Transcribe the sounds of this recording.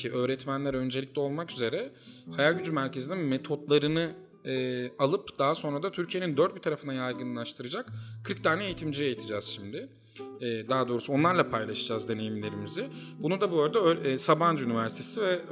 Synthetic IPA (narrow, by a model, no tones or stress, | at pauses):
iʔø̞ːɾɛt̪mænlʲæɾø̞nd͡ʒe̞lʲic̚ʲlʲɛo̞lˠmakyze̞ɾɛhajalʲɟyd͡ʒymæɾcʰe̞zininmet̪ʰo̞t̪lˠaɾɯnɯ | ɛːalˠɯpd̪̥aːaso̞nɾad̪at̪ʰyɾcʰije̞nind̪øɾt̪̚bit̪ʰaɾafɯnd̪ajajɡɯnlˠaʃt̪ʰɯɾɯd͡ʒakkʰːɯɾk̚t̪ʰaːnɛejit̪ʰimd͡ʒijejit̪ʰid͡ʒɛːz̥ʃimd̪ɪː | d̪aːad̪o̞ːɾusuo̞nlˠaɾlˠapʰajlˠaʃɯd͡ʒazd̪e̞ne̞jimlʲe̞ɾimizɪ | bunud̪abøɾd̪ɛøsaband͡ʒynivæɾsi̥t̪ʰesivɛ